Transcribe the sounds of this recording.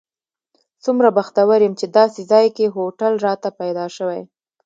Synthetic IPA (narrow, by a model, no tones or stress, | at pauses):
sumɾabaxt̪awaɾjəmt͡ʃed̪ɑsezɑjkeɦoʈalɾɑt̪apajd̪ɑʃəwaj